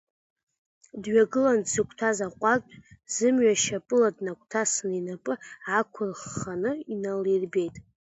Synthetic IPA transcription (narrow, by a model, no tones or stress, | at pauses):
dɥaɡɨlansɨkʷʰtʰazaqʷʼakʼzɨmɥaʃapʼɨladnakʷʰtʰasninapʼɨakʷʰʊrχanɨinalirbe̞jtʼ